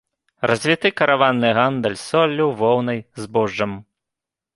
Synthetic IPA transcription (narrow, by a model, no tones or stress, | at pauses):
rɐzʲvʲit̪ɨkɐɾavanːɨɣand̪ɐlʲsɔlʲːuwvɔwnɐjzbɔʐːɐm